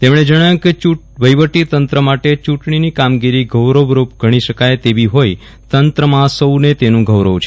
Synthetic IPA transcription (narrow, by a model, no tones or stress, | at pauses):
t̪emɳ̃ed͡ʒəɽ̃aj̃ket͡ʃu | ʋəjʋəʈit̪ənt̪ɾəmaʈet͡ʃuʈɳ̃inikamɡiɾiɡʱəwɾəʋɾupɡʱəɽ̃iʃəkajt̪eʋiɦoj | t̪ənt̪ɾəmãsəwnet̪enũɡʱəwɾəʋt͡ʃʰe